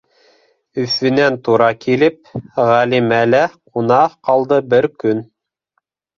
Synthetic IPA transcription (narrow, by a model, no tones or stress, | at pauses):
ɵ̆θɘ̆nænt̪uɾɑkilɘp̚ʁælimælæqunɑqɑlˠd̪ɤbɘɾkɵn